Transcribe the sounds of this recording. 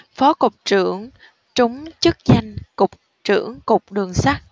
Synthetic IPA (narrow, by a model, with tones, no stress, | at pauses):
fɔ˨˦kʊ˨˩k͡p̚t͡ɕɨ̰˧˩əŋ | t͡ɕʊ˨˦ŋ͡mt͡ɕɨ˦˥k̚za˧jŋ̟kʊ˨˩k͡p̚ | t͡ɕɨ̰˧˩əŋkʊ˨˩k͡p̚ɗɨ˨˩əŋsaː˦˥k̚